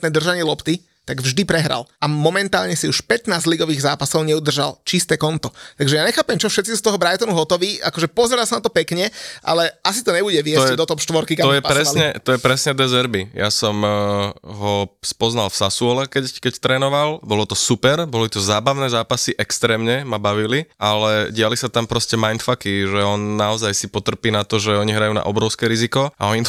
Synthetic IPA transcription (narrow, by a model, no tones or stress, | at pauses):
nɛːd̪r̩ʒaɲɪɛlɔpt̪i | t̪aɡvʒd̪ipɾɛɦɾa̰lʔamɔmɛnt̪aːlɲɛsiuʃpɛt̪naːzliɡɔʋiːɣzaːpasɔʊɲɛud̪r̩ʒalt͡ʃist̪ɛːkɔnt̪ɔt̪aɡʒɛjaɲɛxaːpɛmt͡ʃɔfʃɛt̪t͡sisust̪ɔɦɔbɾajt̪ɔnuɦɔt̪ɔʋiːakɔʒɛpɔzɛɾalsanat̪ɔpɛkɲɛʔa̰lɛʔasit̪ɔɲɛbuɟɛʋɪɛd̪ɔt̪ɔpʃt̪ʋɔɾkikaɔjɛpaɾɛsaliɲɛt̪ɔjɛpɾɛsɲɛd̪ɛzɛɾbijasɔm | ɦɔspɔznalfsasuɔlɛkɛckɛct̪ɾɛːnɔʋalbɔlɔt̪ɔsupɛɾbɔlit̪ɔzaːbaʊnɛːzaːpasiʔɛkst̪ɾɛːmɲɛmabaʋiliʔalɛɟɪalisat̪ampɾɔscɛmajnt̪fakiʒɛɔnːaɔzajsipɔt̪r̩piːnat̪ɔʒɛɔɲiɦɾajuːna̰ʔɔbɾɔʊskɛɾizikɔa̰ɔɲi